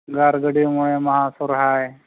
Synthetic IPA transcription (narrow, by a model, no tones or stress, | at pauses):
ɡaɾɡəɽimuɭemɐɦasuɾɦaj